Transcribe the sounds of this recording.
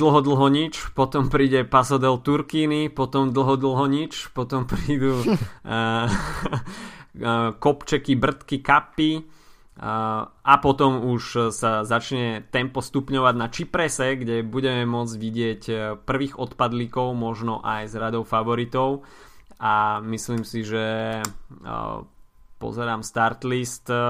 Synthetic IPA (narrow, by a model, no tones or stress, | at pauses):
d̪l̩ɦɔd̪l̩ɦɔɲit͡ʃpɔt̪ɔmpɾiːɟɛpasɔd̪ɛlt̪uɾkiːnipɔt̪ɔmd̪l̩ɦɔd̪l̩ɦɔɲit͡ʃpɔt̪ɔmpɾiːd̪u | kɔpt͡ʃɛkibr̩t̪kikapːi | ʔapɔt̪ɔmuʃsazat͡ʃɲɛt̪ɛmpɔst̪upɲɔʋaɟnat͡ʃipɾɛsɛɡɟɛbuɟɛmɛmʊɔd͡zɟʋiɟɪɛcpr̩ʋiːɣɔt̪pad̪likɔʊmɔʒnɔʔajzɾad̪ɔʊfaʋɔɾit̪ɔʊamisliːmsiʒɛ | pɔ̰zɛɾaːmst̪aɾt̪list̪